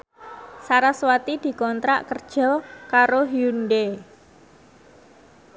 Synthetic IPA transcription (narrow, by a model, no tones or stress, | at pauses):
saɾaswat̪id̪̥i̤kɔnt̪ɾa̰ʔkərd̥ʒ̥ɔ̤kaɾoɦiunɖe